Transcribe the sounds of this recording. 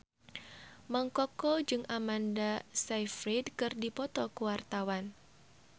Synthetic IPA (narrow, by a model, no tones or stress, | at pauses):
maŋkɔkɔd͡ʒɨŋamandasajfɾidkɨrdipɔt̪ɔkuwart̪awan